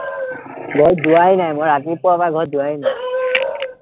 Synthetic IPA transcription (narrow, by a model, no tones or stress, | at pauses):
ɡʱɔɹduaɦinajmoɹat̬ipɔapaɡʱɔɹduwaɦina